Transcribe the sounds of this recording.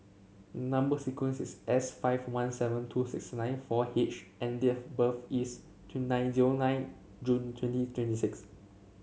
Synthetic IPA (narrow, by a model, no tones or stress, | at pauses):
nãmbəsikwə̃nsisɛsfaɪvwãnsɛvə̃ntʰusḭksnãɪ̃nfɔhet͡ʃʔɛ̃ndifbəfis | tʰnãɪ̃nziɹonãɪ̃n | d͡ʒũntʰwɛ̃ntitʰwɛ̃ntisiks